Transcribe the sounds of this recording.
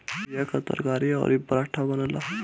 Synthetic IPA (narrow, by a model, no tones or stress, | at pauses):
jakʰət̪ə̰ɾkaɾia̰ɾibɾaʈʰabənala